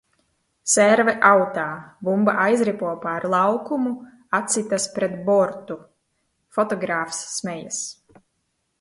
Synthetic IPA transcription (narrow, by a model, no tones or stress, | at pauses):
sɛɾvɛʔawt̪aːvumbaʔajzɾipuɔpaɾlˠawkumu | at̪sit̪aspɾɛt̪bɔɾt̪u | fɔt̪ɔɡɾaːfsːmɛjas